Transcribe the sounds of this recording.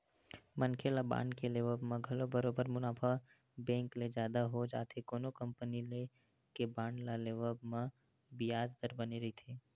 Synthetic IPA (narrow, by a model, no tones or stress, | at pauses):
mənkʰelabã̰ːɳɖkeleːʋəbmẽɡʱɐlobəɾoːbəɾmʊnaːpʰa | bɛ̃ːŋkled͡ʒjaːd̪aɦod͡ʒa̰ːt̪ʰekoːnokɐ̃mpənile | kebãːɳɖlaleːʋəlbmẽ | bijaːd͡ʒd̪əɾbɐneɾɐɦit̪ʰeː